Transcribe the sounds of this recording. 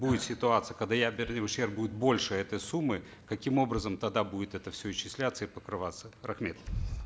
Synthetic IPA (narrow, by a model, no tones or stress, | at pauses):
budʲɪt̪sʲɪt̪ʊat̪sɨjəkɐɡd̪ajabʲɪrʲnʲɪvʊɕerp̚budʲɪt̪̚bo̞lʲʂɨɛt̪əjsumːɨ | kɐkʲimo̞bɾəzəmt̪ɐd̪abudʲɪt̪ɛt̪əfsʲɵɪɕːɪsʲlʲat̪sːəipəkɾɨvat̪sərɐxmʲet̪